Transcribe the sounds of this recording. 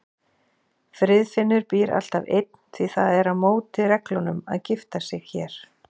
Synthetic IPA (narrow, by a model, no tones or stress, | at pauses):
fɾɪðfɪnːʏɾpiːɾa̰l̥t̪avejt̪̚n̥θiθaðɛɾaðmoːwt̪ɪrɛklɔnʏma̰ðcɪft̪asɪɣçɛːɾ̥